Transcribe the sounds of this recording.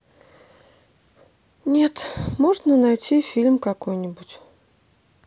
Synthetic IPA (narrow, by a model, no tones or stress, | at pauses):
nʲe̞t̪moʐnənajtʲifʲilʲmkɐkojnʲɪbʊtʲ